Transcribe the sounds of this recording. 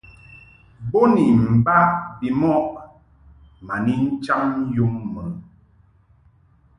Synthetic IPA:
bo˦ni˨m̩˨ba˦ʔbi˨mɔ˦ʔ | ma˨ni˦n̩˦t͡ʃa˦ŋ˦jo˦mːə˨

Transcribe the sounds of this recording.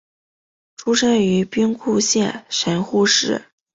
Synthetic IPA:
ʈ͡ʂʰu˥ʂə˥ny˧˥pi˥ŋkʰu˥˧ɕjɛ˥˩nʂə˧˥nxu˥˧ʂɻ̩˥˩

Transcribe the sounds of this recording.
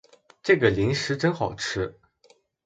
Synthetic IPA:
ʈ͡ʂɤ˥˩ɡə˩li˧˥ŋʂɻ̩˧˥ʈ͡ʂə˥nxɑ˨˩ʊʈ͡ʂʰɻ̩˥

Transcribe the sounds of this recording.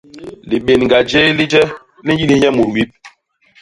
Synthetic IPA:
li˨ɓe˨nŋɡa˨d͡ʒe˦li˦d͡ʒɛ˦ | li˦ji˦li˦ɲɛ˦mu˨ɾwi˦p̚

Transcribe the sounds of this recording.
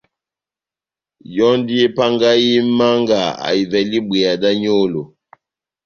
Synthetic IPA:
jɔ˦n˦di˦ɛ˦pa˦ŋɡa˦ji˦ma˦ŋɡa˨a̰˨i˨vɛ˨li˦bwɛ˨a˨da˦ɲo˦˨lo˨

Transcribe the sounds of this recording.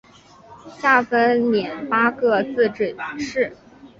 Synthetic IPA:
ɕa˥˩fə˥nljɛ˨˩npa˥kɤ˥˧t͡sɹ̩˥˧ʈ͡ʂ̩˥˩ʂɻ̩˥˩

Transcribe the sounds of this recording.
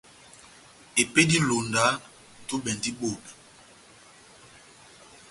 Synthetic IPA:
e˨pe˦di˦lo˨nda˨˦ | tu˦bɛ˨ndi˦ɓo˨na˨

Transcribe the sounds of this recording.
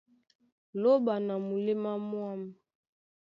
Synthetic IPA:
lo˦ba˨na˨mu˨li˦ma˦mwa˦mɛ˨

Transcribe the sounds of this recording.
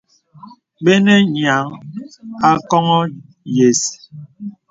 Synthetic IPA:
ɓe˦nɛ˦ɲa˨˦ŋ | a˦kɔ˦ŋɔ˦ | je˨s

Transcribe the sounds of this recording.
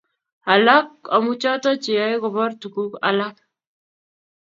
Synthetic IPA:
a˨la˦ka˨mu˦t͡ʃa˦ta˦t͡ʃe˨ja˦jkɔ˨bɔ˦ɾtu˨ku˦ka̰˦la˦k̚

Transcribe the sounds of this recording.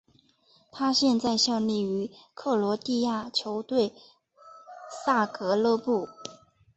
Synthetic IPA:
t̪ʰa˥ɕjɛ˥˧nt͡sa˥˧ɪɕjɑ˥˧ŋli˥˩y˧˥kʰɤ˥˩lwɔ˧˥t̪i˥˧ja˥˩t͡ɕʰjo˧˥ʊt̪we˥˩ɪ | sa˥˩kɤ˧˥lɤ˥˧pu˥˩

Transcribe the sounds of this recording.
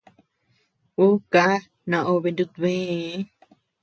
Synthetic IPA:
u˦ka˦ | nã˧˨ʔo˧βe˧nd̪u˧t̪βẽ˦

